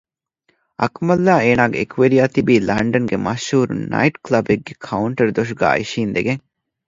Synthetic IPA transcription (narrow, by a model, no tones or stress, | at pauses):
ɐ̰kmɐlːaːeːnaːɡeekʰʋeɾijaːt̪ibiːlɐɳɖɐnɡemɐʃhuːɾunɐ̰iʈklɐbeɡːekʰɐuɳʈɐɾd̪oʃ̬uɡa̰ːḭʃiːnd̪eɡeŋ